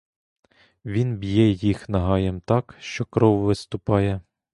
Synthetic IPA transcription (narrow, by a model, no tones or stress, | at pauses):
ʋʲinbʲjɛjixnɐɦɑjɛmt̪ɑkʃt͡ʃɔkɾɔwʋɪst̪ʊpɑjɛ